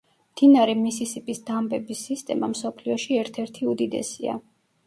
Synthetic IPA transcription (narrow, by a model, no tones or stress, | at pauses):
md̪̥inaɾɛmisisipʼisd̪̥ambɛbisːist̪ʼɛmamsɔpʰliɔʃiɛɾt̪ʰɛɾt̪ʰiud̪id̪ɛ̰sia̰